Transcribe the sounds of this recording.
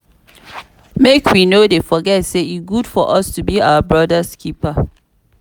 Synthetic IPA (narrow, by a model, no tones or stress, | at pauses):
mekʰwinodefɔɡɛtseisɡud̥fɔʔʌstubiawəbɹɔdəskʰipə